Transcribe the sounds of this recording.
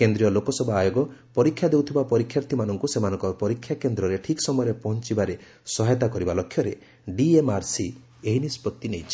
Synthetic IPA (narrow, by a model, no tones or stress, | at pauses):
kend̪ɾiɔlokɔsɔbʱɔajoɡɔpɔɾikʰːjad̪ewt̪ʰibapɔɾikʰjaɾt̪ʰimanɔŋkusemanɔŋkɔpɔɾikʰːjakend̪ɾɔɾeʈʰikɔ̥sɔmɔjɾepɔɦɔnt͡ʃibaɾe | sɔɦet̪akɔɾibalɔkʰːjɔɾe | ɖiemaɾsi | eɦinispɔt̪ːinejt͡ʃʰi̥